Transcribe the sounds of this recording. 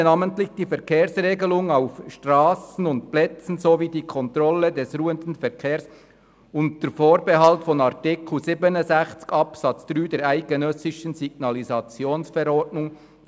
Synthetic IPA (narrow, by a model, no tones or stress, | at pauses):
nɑːməntlɪçd̥iːfɛʁkʰeːɾsʁeːɡəlʊŋaʊfʃtʁaːsn̩ʊntplɛt͡sn̩zoviːdiːkʰɔntɾɔlədɛsʁuːəndn̩fɛʁkʰeːɐs | ʊntd̥əfoːɾbɛɦɑltfɔnɑʁtɪkʰl̩ziːbənəzɛxt͡skɑpsɑt͡sd̥ʁyːdeːɾæɪɡ̥ənœsɪʃən̩ziɡ̥nɑlizɑt͡sjoːnsfɛɾɔdnʊŋ